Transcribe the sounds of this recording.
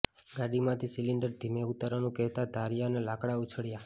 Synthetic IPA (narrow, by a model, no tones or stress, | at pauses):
ɡaɽimãt̪ʰisiliɳɖəɾd̪ʱimeut̪aɾanũkɛɦt̪ad̪ʱaɾijanelakɽaut͡ʃʰəɽja